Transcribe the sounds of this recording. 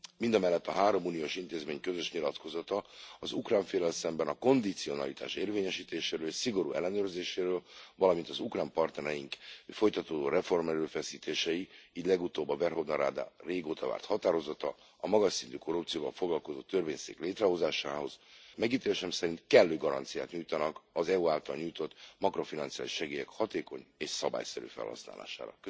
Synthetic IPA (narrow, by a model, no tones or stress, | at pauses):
mind̪ɒmɛlːɛt̪ːɒ̰ɦaːɾo̞muːnioːʃint̪eːzmeːɲkø̞zøʃɲilɒt̪ko̞zɒt̪ɒɒzukraːɱfeːlɛlsɛmbɛnɒko̞nd̪it̪sio̞nɒlit̪ʰa̰ːʃeːrveːɲɛʃiːt̪eːʃeːɾøːlsiɡo̞ɾṵːʔɛlːɛnøːrzeːʃeːɾøːlvɒlɒmint̪ɒzukraːmpɒrt̪nɛɾɛjiŋkfo̞jt̪ɒt̪oːd̪oːrɛfo̞rmɛɾøːfɛsiːt̪ʰeːʃɛiiːɟlɛɡut̪oːbːɒvɛrho̞vnɒɾa̰ːd̪a̰ːreːɡoːt̪ɒva̰ːrt̪hɒt̪aːɾo̞zɒt̪ɒ | ɒmɒɡɒʃsint̪yko̞rupt̪sijoːvɒ̰lfoɡlɒlko̞zoːt̪ːørveːɲsḛːkleːt̪rɛɦo̞zaːʃaːɦo̞z̥mɛɡiːt̪eːleʃɛmsɛɾint̪kɛlːøːɡɒɾɒ̰nt̪sijaːt̪ɲujt̪ɒnɒkɒzɛuaːlt̪ɒlɲuːjt̪o̞t̪mɒkro̞finɒnt̪sijaːliʃɛɡeːjɛkhɒt̪eːko̞ɲeːʃsɒba̰ːjsɛɾy̰ːfɛ̰lhɒ̰sna̰ːla̰ːʃa̰ːɾɒ̰kø